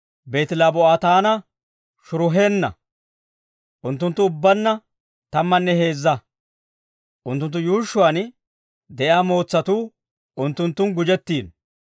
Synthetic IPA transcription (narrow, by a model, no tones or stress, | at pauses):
be̞ːt̪ɪlaːbɔaːt̪aːnɐ | ʃʊɾʊɦe̞ːnːɐ̰ | ʔʊnt̪ːʊnt̪ːʊʊbːɐnːɐ | t̪ɐmːɐnːɛɦe̞ːzːɐ | ʔʊnt̪ːʊnt̪ːʊjuːʃːʊwaːn | d̪ɛʔjaːmo̞ːt͡sːɐt̪uː | ʊnt̪ːʊnt̪ːʊnɡʊd͡ʒɛt̪ːiːn